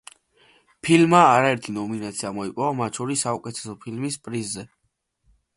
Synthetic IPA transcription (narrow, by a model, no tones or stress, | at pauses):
pʰilmaːɾaɛɾt̪ʰinɔminat̪sʰiamɔipʼɔvamat̪t͡ʃʰɔɾisːaukʼɛt̪ʰɛ̥sɔpʰilmispʼɾizːɛ